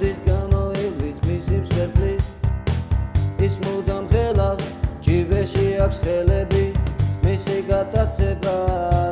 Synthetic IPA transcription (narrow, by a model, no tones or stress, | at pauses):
d̪isɡamɔivlismisimsɛɾpʰʼli | ismud̪amχɛlaksd͡ʒivɛʃiakʰʷsχɛlɛbimisiɡat̪ʼat̪sʰɛba